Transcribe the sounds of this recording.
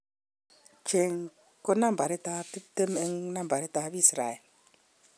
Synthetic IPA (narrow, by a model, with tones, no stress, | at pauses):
t͡ʃe˨ŋ | ko˦na˦m˨ba˨ɾe˦ta˦ti˦p̚te˦me˦ŋna˦m̩˨ba˨ɾe˦ta˦bi˦sɾa˨e˨l